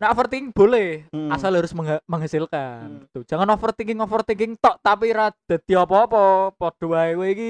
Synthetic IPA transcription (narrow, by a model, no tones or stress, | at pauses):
naʔfərt̪iŋb̥o̤lɛasalɦaɾʊsməŋaməŋɦasilkant̪u̥d͡ʒ̥a̤ŋanɔfərt̪iŋɡɪŋɔfərt̪iŋɡɪŋt̪ɔʔt̪apiɾad̪̥a̤d̪̥iɔpɔpɔpɔd̪̥oaiweiki